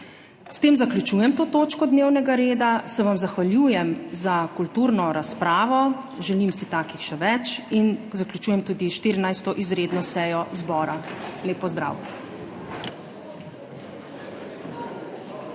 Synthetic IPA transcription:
st̪eːmzaklʲut͡ʃuːjɛmt̪oːt̪oːt͡ʃkɔd̪newnɛɡaɾeːd̪asɛʋamzaxʋaljuːjɛmzakult̪uːɾnɔɾaspɾaːʋɔ | ʒɛlimsit̪aːkixʃɛʋɛt͡ʃinzaklʲjut͡ʃuːjɛmt̪uːd̪iʃt̪iɾinajst̪ɔʔizɾeːd̪nɔsɛːjɔzbɔːɾaleːpɔzd̪ɾa̰ːw

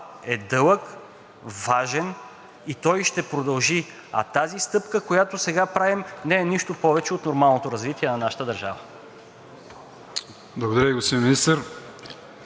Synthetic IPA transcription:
ɛd̪ɤlˠək | vaʒɛn | it̪ɔjʃt̪ɛpɾod̪ɐlˠʒi | ɐ̰t̪azist̪ɤpkəkojat̪osɛɡapɾavimnɛɛniʃt̪opɔvɛt͡ʃɛot̪noɾmalˠnot̪oɾɐzvit̪iɛnɐnaʃə̥t̪əd̪ɐɾʒa̰və | blˠɐɡod̪ɐɾəiɡospid̪ʲiminist̪əɾ

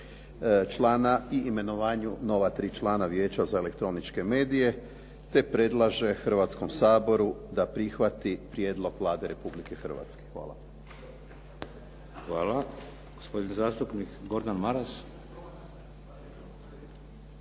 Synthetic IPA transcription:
t͡ʃlaːnaiːme̞noʋaːɲuno̞ʋat̪ɾiːt͡ʃlaːnaʋje̞ːt͡ɕazae̞le̞kt̪ɾo̞nit͡ʃke̞me̞ːd̪ije̞ | t̪e̞pɾe̞d̪lˠaʒe̞xr̩ʋat̪sko̞msaːbo̞ɾud̪apɾixʋat̪ipɾje̞ːd̪lˠo̞ɡʋlˠaːd̪e̞ɾe̞publike̞xr̩ʋa̰t̪ske̥xʋa̰ːla̰ | xʋaːla | ɡ̥ospo̞d̪inizaːst̪upnikɡo̞ɾd̪anmaɾas

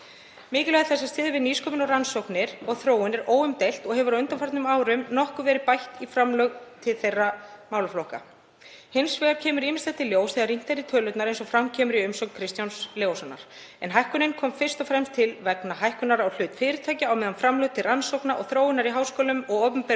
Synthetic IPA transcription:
mɪːcɪlɛɣðaθɛsːast̪ɪːðvɪðniːskɔːmɪnɔɣransowknɪɾɔɣθɾoːwɪnɛɾoːwʏmt̪ejl̥t̪ɔɣhɛvʏɾaʏnt̪anfaɾt̪nʏmaːwɾʏmnɔhkʏvɛːɾɪðpajht̪ifɾamlœɣt̪ʰɪlθejrːamaːwlaflowhka̰ | hɪnsvɛːɣaɾ̥cʰɛːmʏɾiːmɪnst̪ɛt̪ʰːɪljoːwsθɛːɣaɾijn̥t̪aɾɪt̪ʰœːlœt̪naɾejnsɔfɾamcʰɛːmʏɾiʏmsɔwkn̥kʰɾɪst̪jawnsljoːwsɔnːa̰ɾ̥ | ɛnɦajhkʏnɪnkʰɔːmfɪr̥st̪ɔfɾɛmst̪ʰɪlvɛknaɦajhkʏnaɾawl̥ʏːt̪fɪːɾɪt̪ʰaːjcɪawmɛːðanfɾamlœɣt̪ʰɪlransowknaʔɔɣθɾoːwɪnaɾiɦawskɔːlʏmɔɣɔːpʏmpɛ

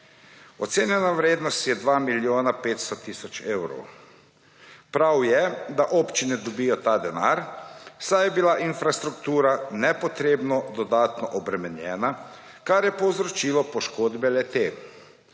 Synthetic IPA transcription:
ɔt̪seːnjɛnaʋɾeːd̪nɔst̪jɛd̪ʋaːmiljoːnapeːt̪st̪ɔt̪iːsɔt͡ʃeːwɾɔ̰w | pɾawjɛd̪aʔoːpt͡ʃinɛd̪ɔbijɔt̪aːd̪ɛnaːɾsajɛbilaʔinfɾast̪ɾukt̪uːɾanɛpɔt̪ɾeːbnɔd̪ɔd̪aːt̪nɔʔɔbɾɛmɛnjɛːna | kaɾjɛpɔwzɾɔt͡ʃiːlɔpɔʃkoːd̪bɛlɛt̪e

